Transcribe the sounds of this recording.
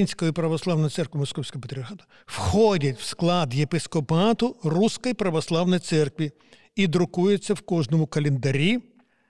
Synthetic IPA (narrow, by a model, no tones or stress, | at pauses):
inʲsʲkɔjipɾɐʋɔslˠɑwnɔjɐt̪sɛrkʋʲimɔskɔwsʲkɔɔpet̪ɾʲiɦad̪ɐ | wxɔdʲɐtʲwsklˠɑd̪jepɪskɔpɑt̪ʊruskɔjipɾɐʋɔslˠɑwnɔjt̪sɛrkʋʲi | id̪ɾʊkujet͡sʲːɐwkɔʒnɔmʊkɐlʲɪnd̪ɐɾʲi